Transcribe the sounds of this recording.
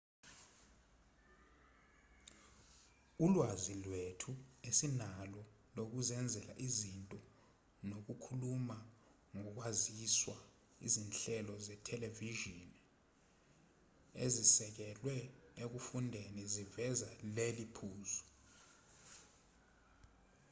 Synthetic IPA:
ulwazilwetʰuesinalɔ | lok̬uzɛnd͡zʱɛla̰ʔizintʼɔ | nok̬ukʰuluma | ŋɔk̬waziswa | ḭzinɬɛlɔzɛtʰɛleviʒin | ḛzisɛk̬ɛlwɛek̬ufundʱenizivɛzalelipʰuːzɔ̥

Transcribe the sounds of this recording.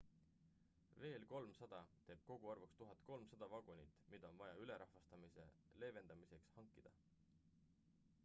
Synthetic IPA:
ve̞ːlko̞lmsɑd̪̥ɑt̪e̞ːb̥̚ko̞ɡ̥uɑrvɑkst̪uɦɑt̪ˑko̞lmsɑd̪̥ɑvɑɡ̥unit̪ːˑmid̪̥ɑo̞nvɑjɑyleɾʔɑhvɑst̪ɑmisḛle̞ːve̞nd̪̥ɑmise̞kshɑŋkːˑid̪̥ɑ

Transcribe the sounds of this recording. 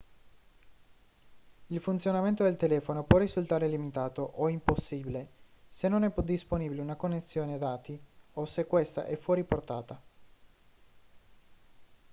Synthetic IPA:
ilfunt̪sjonament̪od̪elt̪elɛːfonopwɔrːizult̪aːɾelimit̪aːt̪oʔoimposːiːbilesenːonɛpd̪isponibileunakonːesːjoːnead̪aːt̪iosekːwest̪a̰ʔɛfwɔːɾiport̪aːt̪a

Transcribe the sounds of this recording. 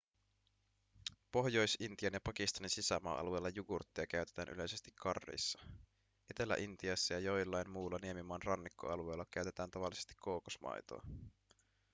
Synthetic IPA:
po̞hjo̞jsint̪iɑnjɑpɑkist̪ɑninsisæmɑ̰ːʔɑ̰lue̞ːlːɑjuɡurt̪ːiɑkæyt̪et̪æːnʔy̰le̞jse̞st̪ikʰːɑrːḛjsːɑ̥ | ʔet̪e̞lːæ̰ʔint̪iɑsːɑjɑjojlːɑjmmuːlːɑniemimɑːnrɑnːikːo̰ɑlue̞jlːɑkæyt̪e̞t̪æːnt̪ɑʋɑlːise̞st̪i̥kʰːoːkosmɑ̰jt̪o̞̰ɑ

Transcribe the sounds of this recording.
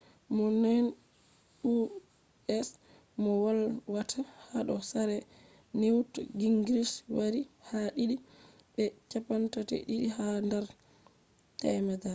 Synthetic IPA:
mɔnɛn | u | ɛs | mɔwalwatʰahaɗɔsaɾɛ | newtɡiŋɡɾiswaɾihaɗiɗi | ɓɛt͡ʃapantatɛ̰ɗiɗihandɛɾ | tɛjmɛda

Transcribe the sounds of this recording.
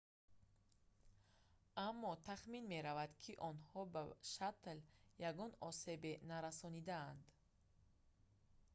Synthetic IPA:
amːɔt̪ʰaχminmeɾavad̪kʰiʔɔnhɔbaʃat̪ljaɡɔnɔse̞benaɾasɔnid̪aand̪

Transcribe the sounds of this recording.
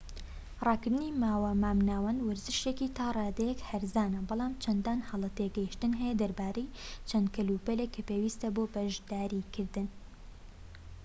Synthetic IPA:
rˤɑːkɨɾd̪ɨnimaːwamaːmnaːwɐnwɐɾzɨʃekit̪ʰɑːrˤɑːd̪ɐjɛkhɐɾzaːnɐbɑlˠɑːmt͡ʃʰɐnd̪aːnhɐlˠɐt̪eɡɐjiʃt̪ɨnɦɛjɛd̪ɐɾbaːɾejt͡ʃʰɐnd̪̚kʰɐlupɐlekʰːɐpeːwiːst̪ɐboːbɐʒd̪aːɾikʰɪɾd̪ɨn

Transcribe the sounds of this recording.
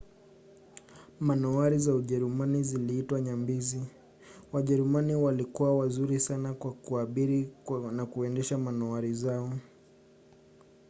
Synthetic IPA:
manɔaɾizauʄɛɾumaniziliːtwaɲambizi | waʄɛɾumaniwalikuwawazuɾisanakwakuaɓiɾinakuɛndɛʃamanɔaɾizaɔ

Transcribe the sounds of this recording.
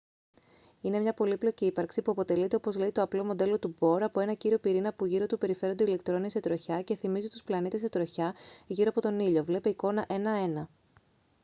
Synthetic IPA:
ine̞mɲɐpo̞liplo̞ciipɐɾksipuɐpo̞t̪e̞lit̪eo̞po̞zleit̪o̞ɐplo̞mo̞d̪e̞lo̞t̪ubo̞ɾɐpo̞e̞nɐciɾio̞piɾinɐpuʝiɾo̞t̪upe̞ɾife̞ɾond̪eile̞kt̪ɾo̞nise̞t̪ɾo̞çɐce̞θimizit̪u̥splɐnit̪eset̪ɾo̞çɐʝiɾoɐpo̞t̪o̞niʎo̞vle̞peiko̞nɐʔe̞nɐe̞nɐ

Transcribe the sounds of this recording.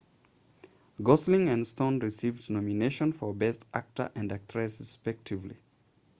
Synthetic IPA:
ɡɔslĩŋɨ̃nstõʊ̃nɹisivdnɔmineʃə̃nfəbɛsta̰k̚tʰə̰˞ʔɨ̃ndæk̚tʰɹ̥ɛsɹɪspɛk̚tʰɪvlḭ

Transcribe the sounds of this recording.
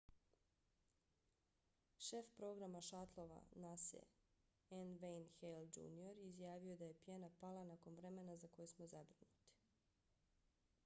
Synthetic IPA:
ʃe̞fpɾo̞ɡɾamaʃat̪lˠo̞ʋa̰nasḛ | enʋejnxeld͡ʒṵːnioɾizjaːʋio̞d̪aje̞pjenapalˠanako̞nʋɾemenazako̞jesmozabɾinut̪i̥

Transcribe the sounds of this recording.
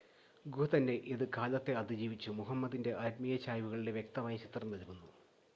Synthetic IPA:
ɡut̪ɐnːe̞ʔiðɨkaːlɐt̪ːe̞ɐd̪id͡ʑiːʋit͡ɕːumuɦɐmːɐd̪inde̞ʔɐɾmijɐt͡ɕaːjʋuɣɐɭiɽe̞ʋje̞k̚t̪ɐmaːjɐt͡ɕit̪rɐnːɐlkunːu

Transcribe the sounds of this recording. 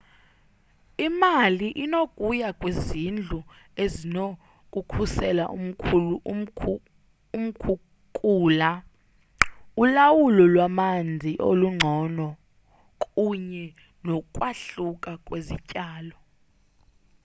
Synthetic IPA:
imaliʔinokʼujakʼwezind͡ɮʱuezino | kʼukʰusɛlaʔum̩ʰuu | um̩kʰu | kʼuːla | ulawulɔlwamand͡zʱiʔo̰luŋ͡ǀʱɔnɔ | kʼuɲɛ | nɔkʼwaɬukʼakʼwezicʼaːlɔ

